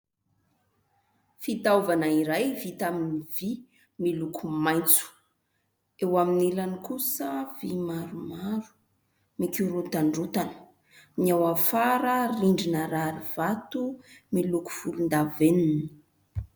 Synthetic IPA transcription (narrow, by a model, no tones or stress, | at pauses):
fit̪awvanaiɾajvit̪aminivi | milukʰumaj̃nt͡su̥ | ewaminilanikusəv̥imaɾumaɾu̥ | mikʲuɾut̪aɳɖ͡ʐut̪anə̥ | niawafaɾəriɳɖ͡ʐinəɾaɾiv̥at̪umiluku̥fulund̪avenini̥